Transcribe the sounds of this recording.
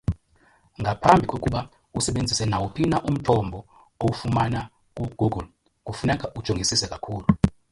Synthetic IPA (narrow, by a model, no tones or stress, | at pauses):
ŋɡʱapʰambʱikʼokʼuɓa | usɛɓend͡zʱisɛnawupʰinaʔum̩tʰɔmbʱɔ | owufumana | k̬ʼuɡ̥ʱuɡul | k̬ʼufunɛk̬ʼaʔud̥ʒ̥ʱoŋɡisisɛkʼakʰuːlu